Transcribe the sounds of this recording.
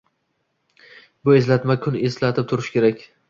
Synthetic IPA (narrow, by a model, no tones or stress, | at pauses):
bʊe̞slat̪makʲʰʊne̞slat̪ʰɪp̚t̪ʰʊɾɪʃkʲʰe̞ɾakʲ